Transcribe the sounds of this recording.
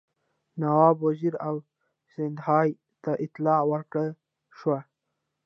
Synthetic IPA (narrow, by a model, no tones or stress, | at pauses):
nawɑbwaziɾaw | sɪnd̪hɑj | t̪aʔɪt̪lɑwəɾkɽə | ʃwa